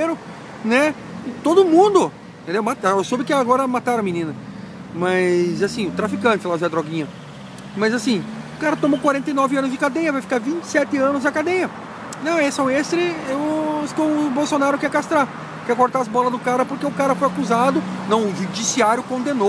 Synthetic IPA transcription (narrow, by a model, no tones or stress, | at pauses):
eɾʊ | nɛ | t̪od̪ʊmũd̪ʊ̃ | tt̪ẽnd̪ewmat̪asobɪkɪaɡɔɾɐmat̪aɾɐ̃minĩnɐ | mɐzasĩʊt̪ɾafikɐ̃t͡ʃ̪ɪlaʒɛd̪ɾɔɡĩɲɐ | mɐzasĩʊkaɾɐt̪õmokwaɾẽnt̪ejnɔvɪɐ̃nʊzd͡ʒɪkad̪ẽjɐvajfi̥kaɾvĩt͡ʃɪ̥sɛt̪ɪɐ̃nʊzɐkad̪ẽjɐ | nɐ̃w̃esɛ̃w̃est̪ɾɪʊskõbowsonaɾʊkɛkast̪ɾa | kɛkoɾt̪aɐzbɔlɐzd̪ʊkaɾɐpoɾkeʊkaɾɐfojakuzad̪ʊnɐ̃w̃ʊʒud͡ʒisiaɾjʊkõnd̪eno